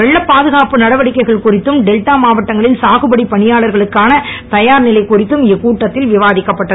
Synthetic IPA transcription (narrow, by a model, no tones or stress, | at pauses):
ʋɛɭːɐpːaːðɯɣaːpɯnɐɽɐʋɐɽɪkːɐɪɣɐɭkʊrɪt̪ːɯmɖɛlʈaːmaːʋɐʈːɐŋɡɐɭɪlsaːɣɯbɐɽipɐɳɪjaːɭɐɾɣɐɭɯkːaːnɐt̪ɐjaːɾnɪlɐɪkʊrɪt̪ːɯmɪkuːʈːɐt̪ːɪlʋɪʋaːðɪkːɐpːɐʈːɐð